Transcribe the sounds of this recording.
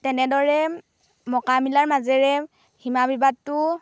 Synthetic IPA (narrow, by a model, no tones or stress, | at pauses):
tɛnɛdɔɹɛ | mɔkamilaɹmazɛɹɛ | himabibad̚tʊ